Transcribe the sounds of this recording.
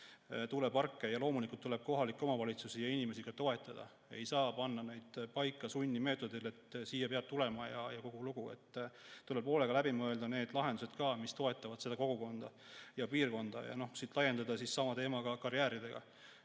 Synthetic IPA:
t̪ulepɑrkːe̞jɑlo̞ːmulikult̪ːule̞b̥̚ko̞ɦɑlikːo̞mɑvɑlit̪susijɑinime̞siɡ̥ɑt̪o̞e̞t̪ːˑɑd̪̥ɑ̰ | e̞̰jsɑːpɑnːɑne̞jd̪̥pɑjkːˑɑsunʲːime̞ːt̪ːˑo̞d̪ile̞t̪ːsiːjɑpeɑb̥̚t̪ːule̞mɑjɑjɑko̞ɡ̥uluɡ̥uḛt̪ːt̪ːulːepo̞ːle̞ɡ̥ɑlæbimɤe̞ld̪̥ɑne̞ːd̪̥lɑɦend̪use̞d̪̥kɑːmist̪o̞e̞t̪ˑːɑvɑd̪̥se̞d̪̥ɑko̞ɡ̥uko̞nd̪̥ɑ | jɑpiːrko̞nd̪̥ɑ̰jɑ̰no̞hsiːt̪lɑje̞nd̪ɑd̪ɑsissɑmɑt̪e̞ːmɑɡ̥ɑkɑɾiæːɾid̪e̞ɡ̥ɑ̰

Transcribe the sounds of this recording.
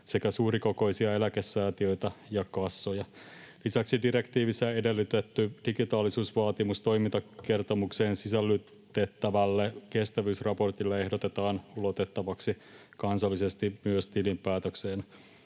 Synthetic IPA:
se̞kæsuːɾiko̞ko̞isiɑe̞lækesːæːt̪iø̞it̪æjɑkɑsːojɑlisæksidiɾe̞kt̪iːʋisːæede̞lːyt̪et̪ːyd̥iɡit̪ɑːlisuːsʋɑːt̪imust̪o̞jmint̪ɑke̞rt̪o̞mukse̞ːnsisælːyt̪e̞t̪ːæʋælːeke̞st̪æʋyːsrɑpo̞rt̪ilːee̞hdot̪et̪ɑːnulo̞t̪e̞t̪ːɑʋɑksi | kɑnsɑlːise̞st̪imyøst̪ilimpæːt̪økseːn

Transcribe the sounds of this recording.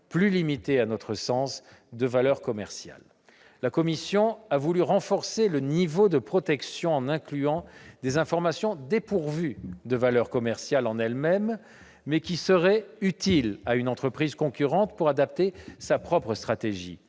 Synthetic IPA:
plylimit̪eanɔt̪χəsɑ̃s | d̪əvalœʁkɔmɛʁsja̰lː | akɔmisjɔ̃avulyʁɑ̃fɔʁselənivod̪əpχɔt̪ɛksjɔ̃ɑ̃nɛ̃klyɑ̃d̪ezɛ̃fɔʁmasjɔ̃d̪epuʁvyd̪əvalœʁkɔmɛʁsjalɑ̃nɛlmɛmː | ɛkʲisəʁɛyt̪ilaynɑ̃t̪χəpχizkɔ̃kʲyʁɑ̃t̪puʁad̪ap̚t̪esapχɔpχəst̪χat̪eʒḭ

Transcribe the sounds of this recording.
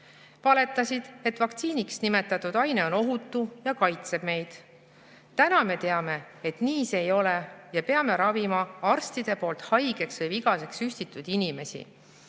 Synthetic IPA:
vɑle̞t̪ːˑɑsid̪̥e̞t̪ːˑvɑkt̪siːniksnime̞t̪ːˑɑt̪ːˑud̪̥ɑjne̞o̞no̞ɦut̪ːˑujɑkɑjt̪se̞b̥me̞jd̪̥ | t̪ænɑme̞t̪e̞ɑme̞ | et̪niːsejo̞lejɑpe̞ɑme̞ɾɑvimɑɑrst̪id̪̥e̞po̞ːlt̪hɑjɡ̥e̞ksvɤjviɡ̥ɑse̞ksyst̪it̪ːˑud̪̥inime̞sḭ

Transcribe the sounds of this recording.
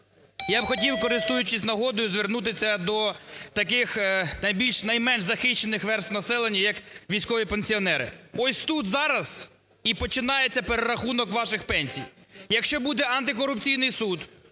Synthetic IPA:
jabxɔtʲiwkɔɾɪst̪ujʊt͡ʃɪsʲnɐɦɔd̪ɔjʊzʋɪrnut̪ɪsʲɐd̪ɔt̪ɐkɪxnɐjbʲilʲʃnɐjmɛnʒzɐxɪʃt͡ʃːenɪxʋɛrst̪nɐsɛlˠenʲːɐjɐkʋʲijsʲkɔʋʲipenʲsʲiɔnɛɾɪ̰ɔsʲt̪ut̪zɑɾɐz̥ | ipɔt͡ʃɪnɑjet͡sʲːɐpeɾeɾɐxunɔkʋɑʃɪxpɛnʲsʲḭj | jɐkʃt͡ʃɔbud̪ɛʔɐnt̪ɪkɔɾʊpt͡sʲijnɪjsud̪

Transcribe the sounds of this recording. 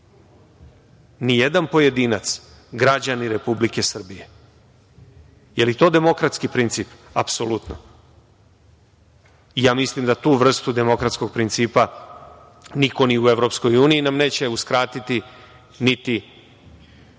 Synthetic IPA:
nijed̪anpo̞je̞d̪iːnat̪s | ɡɾad͡ʑaniɾe̞publike̞sr̩bije̞ | jelit̪o̞ːd̪e̞mo̞kɾat̪skipɾint̪siːpa̰psolut̪no̰ | ijaːmislimd̪at̪uːʋr̩st̪ud̪e̞mo̞kɾat̪sko̞ɡ̚pɾint̪siːpa | niko̞niue̞ʋɾo̞psko̞juːniinamne̞ːt͡ɕe̞uskɾaːt̪it̪i | nit̪i

